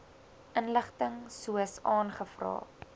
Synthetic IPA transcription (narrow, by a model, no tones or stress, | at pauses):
ʔənləχtəŋsuəsɑːnχəfrɑ̰ː